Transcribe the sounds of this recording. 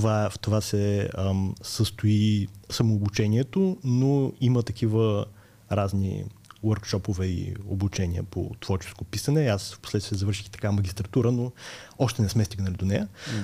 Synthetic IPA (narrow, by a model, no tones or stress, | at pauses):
vaft̪ovasɛəsəst̪ʊisɐmoːbut͡ʃɛniɛt̪onoimət̪ɐkʰivə | ɾaznḭwəɾkʃɔpovɛḭo̰but͡ʃɛniə̰po̰t̪vɔɾt͡ʃɛ̥skopisənɛasfposlɛt̪t̪viəzɐvəɾʃi̥xt̪ɐ̥kavɐmɐɡʲist̪ɾɐt̪uɾənoɔʃt̪ɛnɛsmɛst̪iɡnəlʲid̪onɛjə